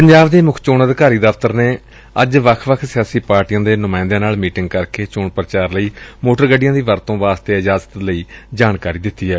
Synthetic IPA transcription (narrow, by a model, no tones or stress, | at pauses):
pəɲd͡ʒaːʋd̪eːmʊkʰt͡ʃoːnəd̪kaːɾiːd̪əft̪əɾneː | əd͡ʒʋəkʰʋəkʰsɪjaːsiːpaːɾʈijãːd̪eːnʊmãːɪ̃nd̪ãːnaːlmiːʈɪŋɡ̚kəɾkeːt͡ʃoːɳpɾət͡ʃaːɾləiːmoːʈəɾɡəɖɪjãːd̪iːʋəɾt̪õːʋaːst̪eːɪd͡ʒaːzət̪ləiːd͡ʒaːnkaːɾiːd̪ɪt̪ːiːɦɛː